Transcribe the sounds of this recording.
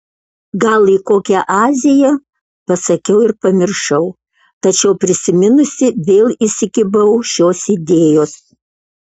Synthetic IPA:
ɡɐlˠikoːkʲɛʔɑːzʲɪjɛ | pɐsɐkʲɛʊɪɾpɐmʲɪɾʃɐʊ | t̪ɐt͡ʃʲɛʊpʲɾʲɪsʲɪmʲɪnʊsʲɪʋʲeːlˠɪsʲɪkʲɪbɐʊʃʲoːsid̪ʲeːjoːs

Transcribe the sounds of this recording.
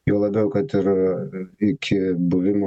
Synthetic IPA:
jɛʊlˠɐbʲɛʊkɐt̪ɪɾ | ɪkʲʰɪbʊʋʲɪmo

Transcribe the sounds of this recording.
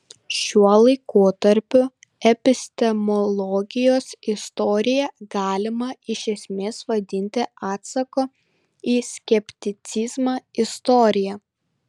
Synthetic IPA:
ʃʲuɔlˠɐɪkoːt̪ɐɾʲpʲʊ | ɛpʲɪsʲt̪ʲɛmɔlˠɔɡʲɪjoːsɪst̪ɔɾʲɪjɛɡɑːlʲɪmɐɪʃʲɛsʲmʲeːsʋɐd̪ʲɪnʲt̪ʲɪɑːt̪sɐkoː | iːsʲkʲɛpʲt̪ʲɪt̪sʲizmɑːɪst̪ɔɾʲɪjɛ

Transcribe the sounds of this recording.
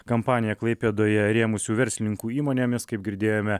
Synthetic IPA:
kɐmpɑːnʲɪjɛklˠɐɪpʲeːd̪oːjɛɾʲeːmʊsʲuːʋʲɛɾʲsʲlʲɪnʲɪŋkuːiːmoːnʲeːmʲɪskɐɪp̚ɡʲɪɾʲd̪ʲeːjoːmʲɛ

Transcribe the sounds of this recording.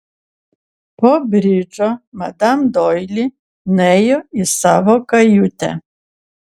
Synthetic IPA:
pɔbɾʲid͡ʒɔmad̪amd̪ɔjlʲi | nɛjɔisaʋɔkajut̪ʲɛ̰

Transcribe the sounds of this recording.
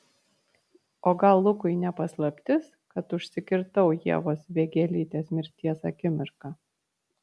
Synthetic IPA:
oːɡɐlˠːʊkʊɪnʲɛpɐslˠɐpʲt̪ʲɪs | kɐt̪ʊʃʲsʲɪkʲɪɾt̪ɐʊjiɛʋoːsʋʲeːɡʲɛlʲiːt̪ʲeːsmʲɪɾʲt̪ʲiɛsɐ̰kʲɪmʲɪɾkɑ

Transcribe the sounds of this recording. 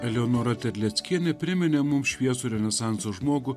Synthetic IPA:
ɛlʲɛoːnoːɾɐt̪ʲɛɾʲlʲɛt̪sʲkʲiɛnʲɛpʲɾʲɪmʲɪnʲeːmʊmʃʲʋʲiɛsuːɾʲɛnʲɛsɑˑnsoːʒmoːɡʊː

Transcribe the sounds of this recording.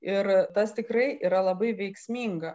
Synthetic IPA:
ɪɾt̪ɐst̪ʲɪkɾɐɪʔiːɾɐlˠɐbɐɪʋʲɛɪksʲmʲiːŋɡɐ

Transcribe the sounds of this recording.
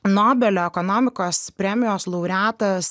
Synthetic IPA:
noːbʲɛlʲoːɛkɔnoːmʲɪkoːspʲɾʲɛmʲɪjoːslˠɔʊɾʲæːt̪ɐs

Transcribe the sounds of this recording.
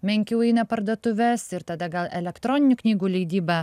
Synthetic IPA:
mʲɛŋʲkʲɛʊɛɪnɐpɐɾd̪uɔt̪ʊʋʲɛsɪɾt̪ɐd̪ɐɡɐlˠɛlʲɛkt̪ɾɔːnʲɪnʲʊknʲiːɡuːlʲɛɪd̪ʲiːbɑ

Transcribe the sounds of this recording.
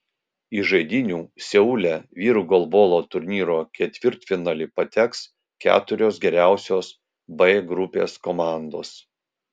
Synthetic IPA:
iʒɐɪd̪ʲɪnʲuːsʲɛʊlʲɛʋʲiːɾuɡɔlˠboːlˠoːt̪ʊɾʲnʲiːɾoːkʲɛt̪ʲʋʲɪɾt̪fʲɪnɑlʲɪpɐt̪ʲɛks | kʲæ̰ːt̪ʊɾʲoːsɡʲɛɾʲæˑʊsʲoːs | bɐɡɾʊpʲḛːskomɑˑnd̪o̰ːs

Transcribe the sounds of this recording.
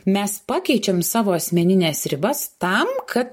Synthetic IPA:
mʲɛspɑːkʲɛɪt͡ʃʲɛmsɑːʋoːɐsʲmʲɛnʲɪnʲeːsɾʲɪbɐst̪ɐmkʰɐt̪

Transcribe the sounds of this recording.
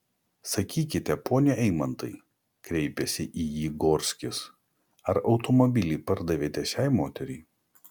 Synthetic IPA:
sɐkʲiːkʲɪt̪ʲɛpoːnʲɛʔɛɪmɐnt̪ɐɪ | kɾʲɛɪpʲɛsʲɪʔiːjiːɡoːɾʲsʲkʲɪs | ɐɾɒʊt̪ɔmɔbʲɪlʲiːpɐɾd̪ɐʋʲeːt̪ʲɛʃʲæˑɪmoːt̪ʲɛɾʲɛɪ

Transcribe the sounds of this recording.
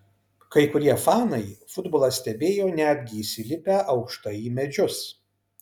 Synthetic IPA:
kɐɪkʊɾʲiɛfɑːnɐɪfʊd̪boːlˠɐsʲt̪ʲɛbʲeːjoːnʲæːd̪ʲɡʲɪːsʲɪlʲɪpʲæːʔɐʊkʃt̪ɐjiːmʲɛd͡ʒʲʊs

